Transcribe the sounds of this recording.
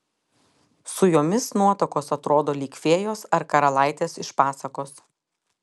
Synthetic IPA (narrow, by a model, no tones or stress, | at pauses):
sʊjoːmʲɪsnuɔt̪okoːsɐt̪ɾoːd̪oːlʲiːkʲʋʲeːjoːsɐɾkɐɾɐlˠɑˑɪt̪ʲeːsɪʃpɑːsɐkoːs